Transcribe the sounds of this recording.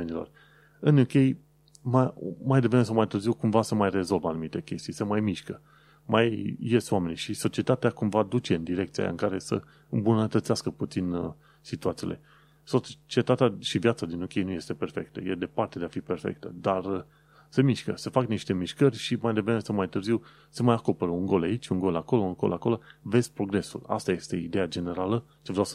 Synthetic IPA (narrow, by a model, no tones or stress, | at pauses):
enilo̰r | ɨnjukʲe̞j | mamajd̪evɾemes̬əmajt̪ɨrziwkumvasəmajre̞zo̞lvanumit̪e̞kʲe̞st̪ijsemajmiʃkə | majːest̪owame̞niʃiso̞t͡ʃie̞t̪at̪eakumvad̪ut͡ʃe̞ɨnd̪iɾe̞kt̪sija̰a̰ɨŋkaɾe̞sə̰ | ɨmbunət̪ət̪seaskəput̪sin | sit̪uat̪sij̰le̞̰ | so̞t͡ʃie̞t̪at̪eaʃivjat̪sad̪inokʲieejnuje̞st̪e̞pe̞rfe̞kt̪ə̰jed̪e̞part̪ed̪eafiperfḛk̚t̪əd̪ar | se̞miʃkə̰se̞fakniʃt̪e̞miʃkərʲʃimajd̪evɾeme̞səmajt̪ɨrziw | semajako̞peɾəunŋɡo̞lait͡ʃʲuŋɡo̞lako̞loɨnko̞̰loako̞lo̞ve̞z̥pɾo̞ɡɾe̞sṵla̰st̪aje̞st̪e̞id̪e̞jad͡ʒe̞ne̞ɾalə | t͡ʃevɾʲaws